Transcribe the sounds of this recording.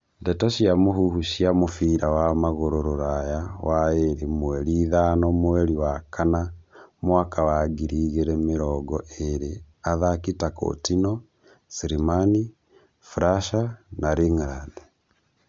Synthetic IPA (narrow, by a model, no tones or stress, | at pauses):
ndɛtɔʃiamoɦuhuʃiamofiːɾawamaɣoɾoɾoɾajawaeɾemowɛɾiːðanɔmoɛɾiwakʰanamwakawaɡiɾiːɣeɾemeɾɔɡɔʔeɾe | aðakitako̰tinɔ | siɾimani | fɾaʃanaɾiŋɾadɛ